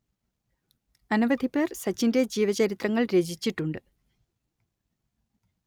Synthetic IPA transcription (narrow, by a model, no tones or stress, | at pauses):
ɐnuʋɐd̪ʱipːe̞ːrsɐt͡ɕːinde̞d͡ʑiːʋɐt͡ɕɐɾit̪rɐŋːɐɭɾe̞ːd͡ʑʱit͡ɕːiʈːuɳɖɨ